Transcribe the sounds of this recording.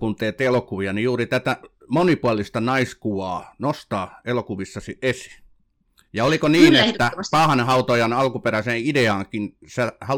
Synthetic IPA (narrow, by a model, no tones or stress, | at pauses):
kunt̪eːt̪elokuʋiɑnijuːrit̪æt̪æ | monipuɑlist̪ɑnɑiskuʋɑːnost̪ɑːelokuʋisːɑsiʔʔesi̥ | jɑolikoniːnet̪ːæpɑhɑnhɑut̪ojɑnɑlkuperæseːideɑːŋkinsehɑ